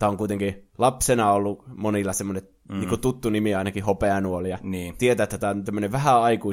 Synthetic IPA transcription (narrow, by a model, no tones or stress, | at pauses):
t̪æːoŋkuit̪eŋkilɑpsenɑolːumonilːɑsemːonet̪ | niːŋkut̪ut̪ːunimiɑˑinɑkihopeɑnuolijɑniːt̪iet̪æːet̪ːæt̪æːont̪æmːøneʋʋæhæɑikui